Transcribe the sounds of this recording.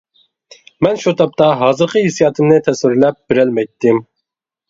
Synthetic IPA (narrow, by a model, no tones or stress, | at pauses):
mɛnʃut̪ʰɑp̚t̪ɑɦɑːzɨɾqʰəɦesijɑːt̪ʰɨmnɨt̪ʰɛswɪɾlɛp̚b̥ɪɾɛlmɛjt̪ːɪm